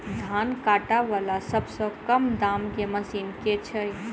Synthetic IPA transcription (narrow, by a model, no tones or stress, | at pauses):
d̪ʱankaʈaʋalasəbsə̃kəmd̪amkeməsinket͡ʃʰəj